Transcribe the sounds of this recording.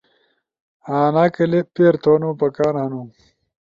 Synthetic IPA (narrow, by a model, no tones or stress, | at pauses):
aːnaːkɐlepeːɾt̪oːnopɐkaːɾɦɐnu